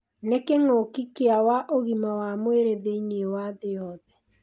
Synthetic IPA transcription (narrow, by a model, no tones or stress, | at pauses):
nekeŋoːkikeawaʔoɣimawamweɾeðeinewaðejɔðɛ